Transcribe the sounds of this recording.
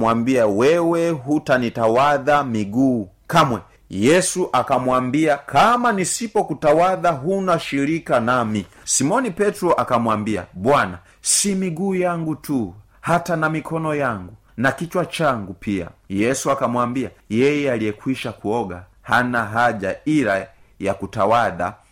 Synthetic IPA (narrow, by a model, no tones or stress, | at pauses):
wambiawɛwɛɦutanitawaðamiɡuː | kamwɛ | jɛsuʔakamwambiakʰamanisipɔkutawaðaɦunaʃiɾikanami | simɔnipɛtɾɔʔakamwambia̰ɓwana̰ | simiɡuːjaŋɡutu | hatanamikʰɔnɔjaŋɡu | nakit͡ʃwat͡ʃaŋɡupia̰jɛsuakamwambiajɛjɛaliɛkwiʃakuɔɡa | hanaɦaʄa̰ila | jakutawaða̰